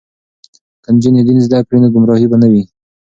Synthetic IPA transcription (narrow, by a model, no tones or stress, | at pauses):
kand͡ʒinid̪inizd̪akɾinaɡʊmɾɑhibanawi